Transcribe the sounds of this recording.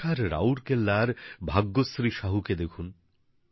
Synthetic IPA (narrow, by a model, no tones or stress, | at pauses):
aɾɾa̰wɾkelːaɾbʱaɡːosɾiʃaɦuked̪ekʰun